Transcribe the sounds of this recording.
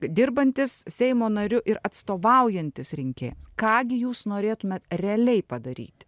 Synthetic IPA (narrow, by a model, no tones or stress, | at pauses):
d̪ʲɪrbɐnʲt̪ʲɪssʲɛɪmoːnɐɾʲʊʔɪɾɐt̪st̪oːʋɐʊjɛnʲt̪ʲɪsɾʲɪŋʲkʲḛːjʊmskɑːɡʲɪjuːsnoːɾʲeːt̪ʊmʲeːt̪rʲɛɐlʲɛɪpɐd̪ɐɾʲḭːt̪ʲ